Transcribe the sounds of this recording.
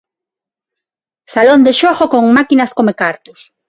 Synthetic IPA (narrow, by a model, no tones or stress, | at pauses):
salond̪eʃoxokoŋmakinaskomekaɾt̪o̥s